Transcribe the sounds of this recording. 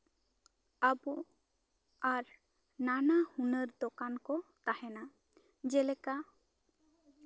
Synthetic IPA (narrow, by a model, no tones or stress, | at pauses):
abɔ | aɾ | nanahunəɾd̪ɔkankɔt̪ahɛna | d͡ʒɛlɛka